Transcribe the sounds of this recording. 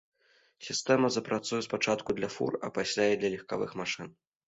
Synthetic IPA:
sʲist̪ɛmɐzɐpɾat̪sujɛspat͡ʂat̪kud̪lʲɐfṵrɐ̰pasʲlʲaid̪lʲɐlʲixkavɨ̰xmaʂɨn

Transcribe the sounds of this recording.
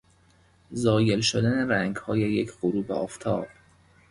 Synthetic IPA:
zɒːje̞lʃod̪æneɾæŋɡhɒːje̞jecʰɢoɾuːbeɒ̰ːft̪ʰɒ̰ːb̥̚

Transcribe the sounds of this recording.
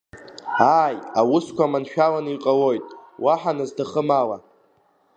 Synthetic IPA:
ajawʊskʷʰamanʃᶣalaniqʼawo̞jtʼwaħanɨzdaχəmala

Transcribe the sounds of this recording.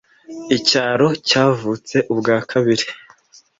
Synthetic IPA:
icaːɾo̞caːvuːt͡se̞ʔubɡaːkʰaβiɾi

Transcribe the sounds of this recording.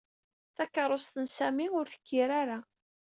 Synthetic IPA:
θækːəɾˤost̪ənsæmiʊɾθə̥kːiɾaɾa

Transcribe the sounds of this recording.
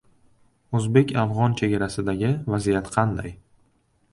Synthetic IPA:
ɵzbe̞kʲʰafʁɒnt͡ʃʰe̞ɡʲaɾasɪd̪aɡʲɪvazijat̪qʰɑnd̪aj

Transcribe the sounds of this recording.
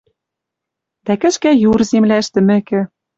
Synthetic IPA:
d̪̥ækɘ̆ʃkæjurzemlæɘ̆ʃt̪ɘ̆mɘ̆kɘ̆

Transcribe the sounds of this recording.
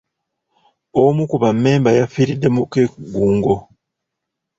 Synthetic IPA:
omukuβamːe̞ːmbajafiɾidːe̞mukeɡuːŋɡo

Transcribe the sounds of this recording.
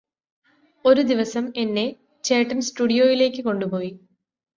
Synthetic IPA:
o̞ɾud̪iʋɐsɐme̞nːe̞ | t͡ɕeːʈːɐnsʈuːɽijo̞ːjile̞ːkːɨko̞ɳɖupo̞ːji

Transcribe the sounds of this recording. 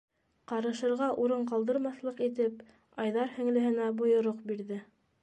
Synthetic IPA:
qɑɾɤ̆ʃɤ̆ɾʁɑʔuɾɤɴqɑlˠd̪ɤ̆ɾmɑθlˠɤqit̪ɘp | ɑjðɑɾhɘ̆ŋlɘ̆ɦɘ̆næbŏjŏɾoqbiɾðɘ

